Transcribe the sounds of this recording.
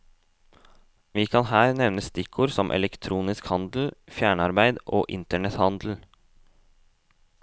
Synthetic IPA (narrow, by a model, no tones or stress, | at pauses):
ʋiːkʰɑnhæːɾnɛʋnəst̪ɪkʰuːɾsɔmʔɛ̰lɛkt̪ʰɾuːnɪskhɑnd̪l̩fjæːɳəɑɾbæɪd̪ʔo̰ːʔɪnt̪əɳɛt̪hɑnd̪l̩